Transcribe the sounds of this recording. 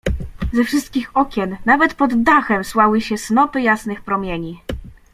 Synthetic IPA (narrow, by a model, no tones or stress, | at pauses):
zɛfʂɘst̪̚kʲixɔkʲɛnːavɛt̪pɔd̪ːaxɛmswawɘɕɛsnɔpɘjasnɘxpɾɔmʲjeɲi